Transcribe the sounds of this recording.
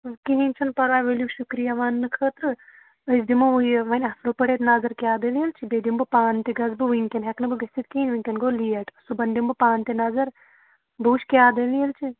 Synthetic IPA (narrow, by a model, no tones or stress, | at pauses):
kiɦinʲt͡ʃʰɐnpɐɾʋaːjʋeljiʃukɾijaʋaːnːɨkʰəːt̪ɾɨ | əsd̪imɐʋujʋɐnʲɐslupɐɽeːt̪naːzɐɾkʲjaːd̪ɐlijilt͡ʃʰibeːd̪imbɨpaːnt̪iɡɐzbɨʋiŋkʲɐnɦeknɨbɨɡɐsʲt̪it̪̚kiinʲʋiŋʲkʲɐnɡoːlijɐʈɐsubɐnd̪imbɨpaːnt̪inɐzɐɾ | buːʃkʲjaːd̪ɐlijɐlt͡ʃʰi